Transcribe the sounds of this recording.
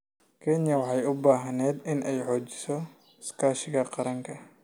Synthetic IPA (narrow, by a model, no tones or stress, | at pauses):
kʰɛnjɐwɑħɑjʊbaːɦɐnɛːd̪ɪnʔɛjħɔːt͡ʃɪ̥sɔ | skʰaːʃɪɣɐqɑɾɐŋkʰɐ